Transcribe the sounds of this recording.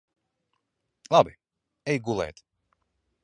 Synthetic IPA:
labi | ejɡulɛ̰t̪

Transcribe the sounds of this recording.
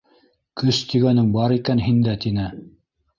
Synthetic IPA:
kɵst̪iɡænɘŋbɑɾikænɦind̪æt̪inɘ

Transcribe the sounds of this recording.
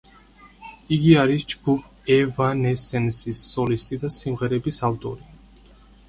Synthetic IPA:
iɡiaɾisd͡ʒɡ̥upʰ | ɛvanɛsɛnsisːɔlist̪ʼid̪asimʁɛɾɛbisavt̪ʼɔ̰ɾi

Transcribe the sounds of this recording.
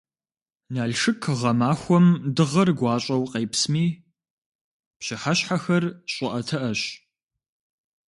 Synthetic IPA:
naːɮʂɨkʰʁɐmaːxʷɔmdɨʁɐrɡʷɑːɕʼɐwqeːpsmiː | pɕɪħaɕħaxɐrɕʼɪʔɐtʰɐʔɐɕ

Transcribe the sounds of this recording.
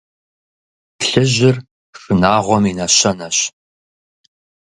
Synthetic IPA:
ɬɨʑɪr | ʂɨnaːʁʷɔmiːnɐɕɐnɐɕ

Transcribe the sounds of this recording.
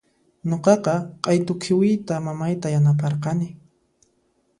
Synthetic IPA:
ɲoqɑqɑqʼɑjt̪ʊkʰɪwɪjt̪amamajt̪ajanap̬ɑɾqɑnɪ

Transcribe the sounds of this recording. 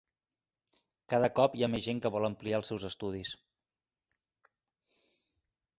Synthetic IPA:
kaðəkɔpiamezʒeŋkəβɔlˠəmplialˠsɛwzəst̪uð̞is

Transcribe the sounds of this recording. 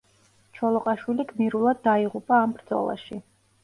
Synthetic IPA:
t͡ʃʰɔlˠɔqʼaʃwiliɡmiɾulˠad̪̚ːaiʁupʼaːmbɾd̪zɔ̰lˠa̰ʃi

